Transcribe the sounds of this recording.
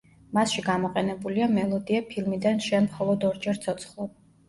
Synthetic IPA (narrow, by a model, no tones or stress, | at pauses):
masʃiɡamɔqʼɛnɛbuliamɛlˠɔd̪iapʰilˠmid̪anʃɛmχɔlˠɔd̪ɔɾd͡ʒɛɾt̪sʰɔt̪sʰχlˠɔb